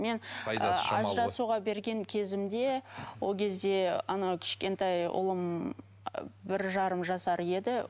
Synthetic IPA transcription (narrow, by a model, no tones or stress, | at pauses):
me̞n̰ | ɑ̰zʒɑsuʁɑbe̞ɾɡʲe̞ŋkʲʰe̞zɪmd̪e̞wo̞lˠkʲʰe̞zd̪e̞ɑnɑkʲʰɪ̥ʃkʲe̞nt̪ɑjʊ̰lˠəm | bɪɾʒɑɾəmʒɑsɑɾe̞d̪ɪ